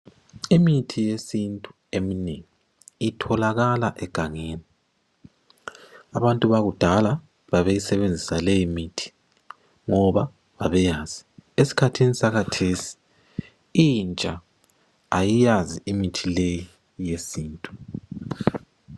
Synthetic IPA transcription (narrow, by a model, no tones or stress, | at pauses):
imitʰijesintʼu̥ | emineŋiiː | tʰɔlaɣalaʔɛɡ̥ʱaŋeːni | aβantʼuβaɣud̥ʱala | βaβejisɛβend͡zʱisalejimitʰi̥ | ŋɔβa | βaβɛjaːz̥iesi̥kʰatʰinisaɣatʰesi̥ | int͡ʃʼa | ajijaziimitʰileji | jesiːntʼu